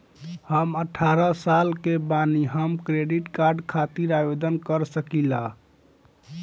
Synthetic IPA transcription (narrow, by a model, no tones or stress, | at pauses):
həməʈʰaɾəsalkebaniɦəmkɾeɖiʈkaɾɖkʰat̪iɾabed̪ənkəɾsəkila